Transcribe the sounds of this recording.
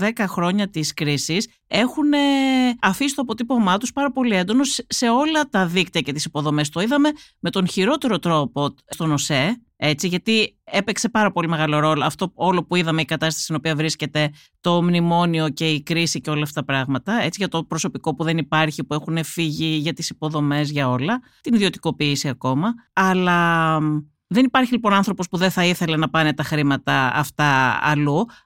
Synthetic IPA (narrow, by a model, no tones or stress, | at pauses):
ðe̞kɐxɾo̞ɲɐt̪iskɾisis | e̞xune̞ɐfisist̪oɐpo̞t̪ipomɐt̪uspɐɾɐpo̞liend̪o̞no̞sːe̞o̞lɐt̪ɐðikt̪iɐce̞t̪i̥sipo̞ðo̞mest̪o̞iðɐme̞me̞t̪o̞nçiɾo̞t̪e̞ɾo̞t̪ɾo̞po̞st̪o̞no̞se̞ | e̞t͡siʝɐt̪ie̞pe̞kse̞pɐɾɐpolime̞ɣɐlo̞ɾo̞lo̞ɐft̪o̞o̞lo̞puiðɐme̞ikɐt̪ɐst̪ɐst̪inopiɐvɾisce̞t̪e̞ | t̪o̞mnimo̞nio̞ce̞ikɾisiceo̞lɐːft̪ɐpɾɐɣmɐt̪ɐe̞t͡siʝɐt̪o̞pɾo̞so̞piko̞puðe̞nipɐɾçipue̞xune̞fiʝiʝɐt̪isipo̞ðo̞me̞zʝɐo̞lɐ | t̪iniðio̞t̪i̥ko̞piːsiɐko̞mɐɐlɐ | ðe̞nipɐɾçilipo̞nɐnθɾo̞po̞spuðeθɐiθe̞le̞nɐpɐne̞t̪ɐxɾimɐt̪ɐɐ̰ft̪ɐɐ̰lu